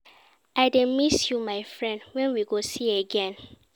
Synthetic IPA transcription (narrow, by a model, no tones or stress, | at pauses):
aɪdẽmisjumaɪfɹɛ̃ndwɛ̃nwiɡosieɡɛ̃n